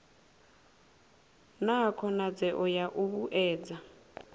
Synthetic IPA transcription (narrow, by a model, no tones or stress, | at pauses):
nakʰɔnad͡zɛʔɔjaʔuβuʔɛːd͡za